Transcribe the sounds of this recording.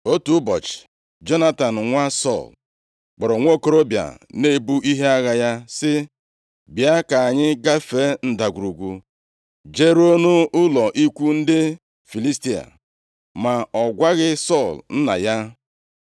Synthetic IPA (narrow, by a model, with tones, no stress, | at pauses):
o˦tu˨˦bɔ̰˨t͡ʃɪ̥˨ | d͡ʒɔ˦na˦ta˨n̩˨ŋʷa˦sɔ̰˦˨l | k͡pɔ˨ɾɔ˨ŋʷo˦ko˦ɾo˦bja̰˨ne˦bu˦ʔi˦ɦe˦a˦ɣa˨ja˦sɪ˦ | bja˦ka˨a˨ɲɪ˦ɡa˦fe˦n̩˦da˨ɡʷu˨ɾu˨ɡʷu˨ | d͡ʒe˦ɾo˦nu˦ʊ˦lɔ˨ʔi˦kʷu˦n̩˦dɪ˦ | fi˨li˦sti˦a̰˨ | ma˨ɔ˨ɡʷa˦ɣɪ˦sɔ˦˨ln̩˦na̰˨ja˦